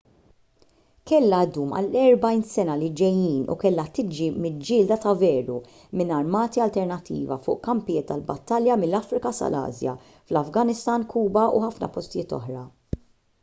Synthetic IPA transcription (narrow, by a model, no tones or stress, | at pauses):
kɛlːɐd̪uːmɐ̰lɛɾbɐjnsɛnɐlɪd͡ʒɛjiːnṵkɛlːɐt̪ɪd͡ʒɾimɪld͡ʒɪːld̪ɐt̪ɐvɛːɾu | mɪnɐɾmɐːt̪iɐlt̪ɛɾnɐt̪ːḭːvɐ̰fʊ̰ːʔkɐmpɪjɪːt̪ːɐlbɐ̰t̪ːɐljɐmɪlːɐfɾɪkɐsɐ̰lɐ̰ːzjɐ̰ | flɐfɡɐnɪst̪ɐːnkuːbɐʔuħɐfnɐ̰pɔst̪ɪjɪːt̪ɔ̰ħɾɐ